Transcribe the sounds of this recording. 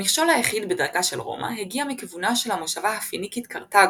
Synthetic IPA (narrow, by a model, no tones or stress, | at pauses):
miχʃo̞lajaχidbedaʁkaʃelʁo̞̰mʔa̰ɦeɡiamikivunaʃe̞lhamoʃavahafinikit̪kaʁtaɡ